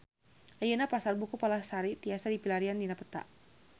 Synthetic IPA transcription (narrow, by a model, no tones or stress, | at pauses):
ʔajənapasarbukupalasaɾit̪iasadipilaɾiandinapət̪a̰ʔ